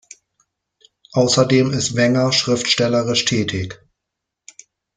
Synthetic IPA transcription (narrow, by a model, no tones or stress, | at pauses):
ʔaʊsɐdeːmɪstv̥ɛŋɐʃʁ̥ɪftʃtɛləʁɪʃtʰɛːtʰɪk